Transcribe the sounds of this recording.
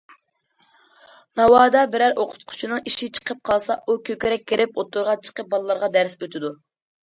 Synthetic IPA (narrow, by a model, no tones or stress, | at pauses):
nɑwɑːd̪ɑbɪɾæɾoqʰʊ̥t̪̚qʰʊ̥t͡ʃʰinɨŋiʃɪt͡ʃʰə̥qʰəp̚qʰɑlˠsɑʔukʲøkʲɪɾɛk̚ʲːeɾɪpot̪ːuɾʁɑt͡ʃʰə̥qəp̚bɑlˠɨlˠɑɾʁɑd̪æɾsøt̪ʰɪd̪u